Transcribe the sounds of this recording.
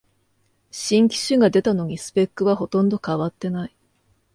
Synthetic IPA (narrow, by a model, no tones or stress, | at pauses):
ɕĩŋkʲi̥ɕɨɡad̪e̞t̪ano̞ɲ̟isɨ̥pe̞kːɯ̟βaho̞t̪õ̞nd̪o̞kaβat̪ːe̞nai